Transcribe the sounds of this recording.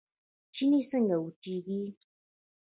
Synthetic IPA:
t͡ʃinisaŋɡawut͡ʃiɡi

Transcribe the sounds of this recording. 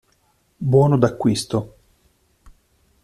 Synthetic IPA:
bwɔːnod̪akːwist̪o

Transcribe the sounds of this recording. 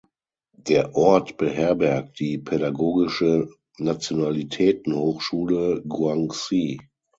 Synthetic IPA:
d̥eːɐʔɔɐtb̥əɦɛɐbɛɐk̚t̚d̥iːpʰɛɾaɡoːɡɪʃə | nat͡sjonalitʰɛːtn̩hoːxʃuːləɡwaŋsiː

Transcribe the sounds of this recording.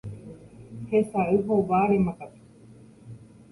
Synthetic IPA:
hesaɯɦoʋaːɾemakat̪u̥

